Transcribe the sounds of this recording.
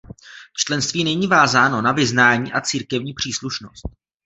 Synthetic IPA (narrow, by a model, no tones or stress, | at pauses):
t͡ʃlɛnst̪viːnɛɲiːvaːzaːno̞navɪznaːɲiːʔat͡siːɾkɛvɲiːpr̝̥iːsluʃnost̪̚